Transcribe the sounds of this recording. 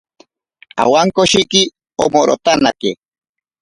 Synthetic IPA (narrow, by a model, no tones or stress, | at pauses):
a̰waŋkoʃiki | o̰moɾo̰t̪anake